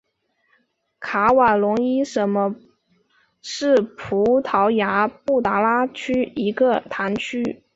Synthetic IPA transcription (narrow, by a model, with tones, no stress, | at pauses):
kʰa˧˥wa˨˩lʊ˧˥ŋi˥ʂə˧˥nmə˧ | ʂɻ̩˥˩pʰu˧˥t̪ʰɑ˧˥ʊja˧˥pu˥˩t̪a˧˥la˥t͡ɕʰy˥i˧˥ɡə˧t̪ʰa˧˥nt͡ɕʰy˥